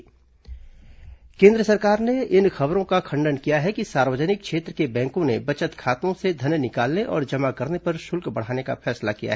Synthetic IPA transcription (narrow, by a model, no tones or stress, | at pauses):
kẽːnd̪ɾəsɐɾkaːɾneɪnxɐbɾõkakʰɐ̃ɳɖənkijaɦɛkisaːɾwəd͡ʒənɪk̚kʃʰeːt̪ɾəkebɛ̃ːŋkõnebɐt͡ʃət̪kʰaːt̪õsed̪ʱɐnnɪkaːlneʔɔ̰ːɾd͡ʒɐmakɐɾnepɐɾʃʊlkbɐɽ̤aːneka̰fʰɛːslakija̰ɦɛː